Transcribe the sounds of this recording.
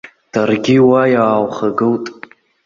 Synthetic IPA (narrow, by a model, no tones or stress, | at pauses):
d̥arɡʲɪwajaːwχaɡɨwtʼ